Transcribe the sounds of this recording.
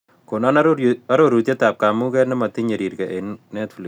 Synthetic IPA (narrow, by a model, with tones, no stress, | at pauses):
ko˨na˦nɐ˦ɾoɾu˨t̪e˦ta˨p̚kamu˦kɛnɛ˦mɐ˨t̪i˦ɲe˨ɾi˨rkɛ˨ʔennɛ˦tfli˨